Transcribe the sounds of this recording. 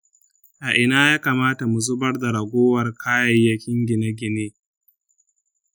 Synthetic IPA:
ʔa˨ʔɪ˨naː˦jaː˦kaː˨maː˦ta˨mu˨zʊ˦bɐ˦rda˨ɾɐ˨ɡʷoː˦wɐ˨rkʰaː˦jɐ˨jːɐ˦kʲɪ˦ŋɡʲɪ˨na˦ɡʲɪ˨neː˦

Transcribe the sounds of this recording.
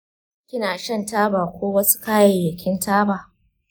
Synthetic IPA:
kʲɪ˦naː˨ʃɐ˦˨ntaː˦baː˨kʷoː˦wɐ˦su̥˦kaː˦jɐ˨jːɐ˨kʲɪ˦ntʰaː˦baː˨

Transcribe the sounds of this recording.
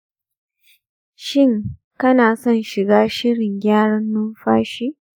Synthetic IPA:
ʃɪ˦˨ŋ | kɐ˦naː˨sɔ˦˨nʃɪ˨ɡaː˦ʃɪ˦ɽɪ˨ŋɡʲaː˦ɽɐ˦nːʊ˦mɸaː˦ʃi˦ʔ

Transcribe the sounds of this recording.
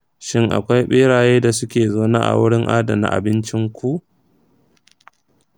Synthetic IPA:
ʃɪ˦ŋʔa̰˨kʷa˦jɓeː˦ɽaː˨jeː˦da˨sʊ˦kʲeː˨zoː˦na̰ː˦ʔa̰˨wʊ˦ɽɪ˦ŋʔa̰ː˦da̰˨na̰˨ʔa̰˨bɪ˦nt͡ʃɪ˦ŋkʷu˦ʔ

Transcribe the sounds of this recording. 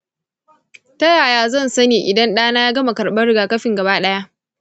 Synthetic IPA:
tɐ˦jaː˨jaː˦zɐ˦˨nsɐ˦neː˨ʔɪ˨dɐ˦nɗaː˦naː˦ja˦ɡɐ˦ma˨kɐ˨rɓɐ˦ɽɪ˦ɡaː˨kɐ˦ɸɪ˨ŋɡɐ˨baː˦ɗɐ˦ja˦ʔ

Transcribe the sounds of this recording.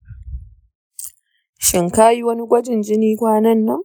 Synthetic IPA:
ʃɪ˨ŋkaː˦ji˦wɐ˦ni˦ɡʷɐ˦d͡ʒɪ˨nd͡ʒɪ˦niː˦kʷaː˦nɐ˦nːɐ˦ŋ

